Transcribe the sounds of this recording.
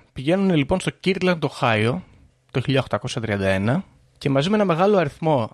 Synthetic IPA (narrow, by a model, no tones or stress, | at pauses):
piʝe̞nunelipo̞nst̪ociɾd̪lɐnt̪o̞xɐio̞ | t̪o̞çiʎɐoxt̪ɐko̞sɐt̪ɾiɐnd̪ɐe̞nɐ | ce̞mɐzimeenɐme̞ɣɐloɐɾiθmo̞